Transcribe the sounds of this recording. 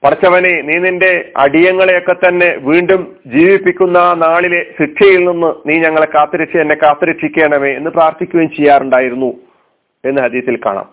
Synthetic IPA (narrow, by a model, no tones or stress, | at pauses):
pɐɽɐt͡ɕːɐʋɐneniːninde̞ɐ̰ɽijɐŋːɐɭejo̞kːe̞t̪ːɐnːe̞ʋiːɳɖum | d͡ʑiːʋipːikʲːunːɐnaːɭile̞siʈʂɐjilninːɨniːɲɐŋːɐɭekaːt̪ːɐɾɐʈʂiɐnːe̞kːaːt̪ːɐɾɐʈʂikʲːe̞ːɳɐme̞ːenːɨpraːrt̪ʰikʲːuɣɐnt͡ɕejːaːruɳɖaːjiɾunːu | e̞nːɨɦɐd̪iːɐθilka̰ːɳa̰ːm